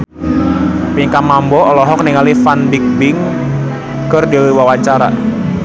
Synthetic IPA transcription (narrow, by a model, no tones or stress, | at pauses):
pikamambɔɔlɔɦɔk̚niŋalifanbik̚bɪŋ | kərdiwiwawat͡ʃaɾa̰